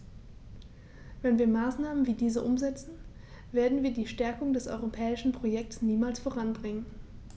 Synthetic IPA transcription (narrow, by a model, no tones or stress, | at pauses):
vɛnviːɐmaːsnaːmənviːdiːzəʔʊmzɛt͡sn̩ | v̥eːɐdn̩viːɐdiːʃtɛɐkʊŋdɛsʔɔ̰ʏʁopʰɛːɪʃn̩pʁ̥ojɛk̚tsniːmaːlsfoʁ̞anbʁɪŋən